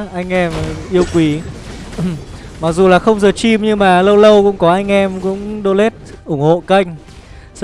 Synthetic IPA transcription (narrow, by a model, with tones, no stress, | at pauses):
ʔa˧jŋ̟ʔɛ˧mʔi˧əwkwi˨˦ | ma˨˩k̚zu˨˩laː˨˩xə˧wŋ͡mzəː˨˩t͡ɕi˧mɲɨ˧ŋmaː˨˩lə˧wlə˧wkʊ̰˧˥ŋ͡mkɔ˨˦ʔa˧jŋ̟ʔɛ˧mkʊ̰˧˥ŋ͡mɗo˧le˦˥t̚ʔʊ˧˩ŋ͡mho̰˧˨kə˧jŋ̟ | s